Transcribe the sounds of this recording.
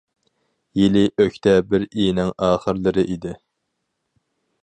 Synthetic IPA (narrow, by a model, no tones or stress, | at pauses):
jilɪʔøçʲt̪ʰɛbɪɾinɪŋɑːχəɾlɨɾɪʔid̪ɪ